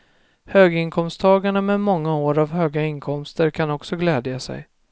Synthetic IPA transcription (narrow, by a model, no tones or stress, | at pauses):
høːɡɪŋkʰɔmst̪ʰɑːɡaɳamɛmɔŋːaoːɾavhøːɡaɪnkʰɔmst̪əɾkʰanɔksɔɡlɛːd̪jasɛ̰j